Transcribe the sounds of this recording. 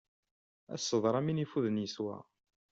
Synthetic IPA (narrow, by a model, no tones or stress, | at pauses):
æ̰sːəðˤɾˤɑminifuðənjəswæ̰